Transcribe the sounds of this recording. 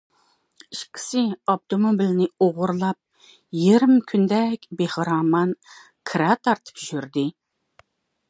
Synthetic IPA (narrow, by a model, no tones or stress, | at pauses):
iʃkʲʰi̥sɪɑp̚t̪ʰomobilnɪoʁʊɾlˠɑp̚ | jeɾɪmkʲʰynd̪ɛkʲbehɨɾɑːmɑn | kʰɾɑt̪ʰɑɾt̪ʰɨ̥pʒyɾd̪ɪ